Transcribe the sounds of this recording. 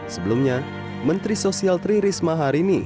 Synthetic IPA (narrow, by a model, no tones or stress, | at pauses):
səbəlumɲa | mənt̪ɾisosialt̪ɾiɾismaɦaɾini